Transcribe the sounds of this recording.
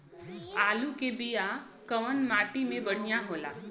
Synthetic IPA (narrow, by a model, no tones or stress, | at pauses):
aːlukebija | kɐʋənmaːʈimẽbɐɽ̤ijaɦoːla̰ː